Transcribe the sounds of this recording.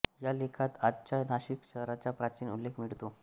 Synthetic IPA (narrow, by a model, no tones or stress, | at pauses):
jalekʰat̪adt͡ɕanaɕikɕəɦɾat͡ɕapɾat͡ɕiːnulːekʰmiɭt̪o